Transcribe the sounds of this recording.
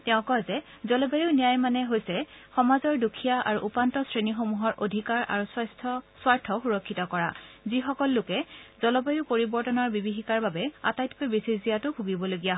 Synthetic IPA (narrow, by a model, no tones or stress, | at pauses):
tɛʊ̃kɔjzɛ | zɔlɔbajunijajmanɛɦojsɛ | xɔmazɔɹdukʰːijaʔaɹuʔupantɔsɹenixomuɦɔɹʔodʱikaɹa̰ɹuswajstʰɔswaɹtʰɔxuɹɔkʰːitɔkɔɹa̰zixɔkɔlːʊkɛzɔlɔbajupoɹibɔɹtɔnaɹbibixikaɹbabɛa̰tajtpɔjbesizijatʊbʱuɡibɔloɡijaɦɔ